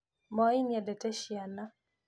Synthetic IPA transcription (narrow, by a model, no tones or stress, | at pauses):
mɔinjadɛtɛʃjana